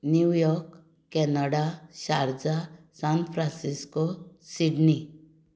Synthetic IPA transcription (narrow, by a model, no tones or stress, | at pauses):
njujɔɾk | kːɛnaɽaɕaɾd͡za | sanpʰɾãnsiskosiɖni